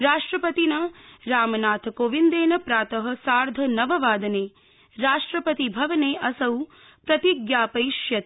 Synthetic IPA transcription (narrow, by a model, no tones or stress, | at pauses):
ɾaːʂʈɾɐpɐt̪inɐɾaːmɐnaːt̪ʰkoːʋind̪eːnɐpɾaːt̪ɐɦɐ̆saːɾd̪ʱɐnɐʋɐʋaːd̪ɐneː | ɾaːʂʈɾɐpɐt̪ibʱɐʋɐneːʔɐsɐw | pɾɐt̪iɡjaːpɐjʃjɐt̪